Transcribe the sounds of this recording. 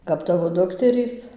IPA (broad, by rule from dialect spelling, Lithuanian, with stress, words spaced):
kɐp ˈtɑːʋoː ˈdʊktʲɛrʲiːs